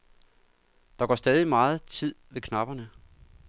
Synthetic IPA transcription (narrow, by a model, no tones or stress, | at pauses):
d̥ɑ̈ɡ̥ɒ̰ːsd̥ɛːð̞ˠimɑ̈ːð̞̩ˠt͡sʰið̞̰ˠʋe̝kʰnɑ̈b̥ɐnə